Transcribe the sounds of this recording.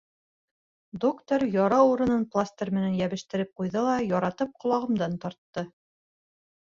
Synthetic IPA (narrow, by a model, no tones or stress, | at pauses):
d̪okt̪oɾjɒɾɑuɾɤ̆nɤnplˠast̪ʲermɘ̆nænjæβɘ̆ʃt̪ɘ̆ɾɘp̚qujðɤlˠɑjɒɾɑt̪ɤp̚qŏlˠɑʁɤ̆md̪ɑnt̪ɑɾt̪ːɤ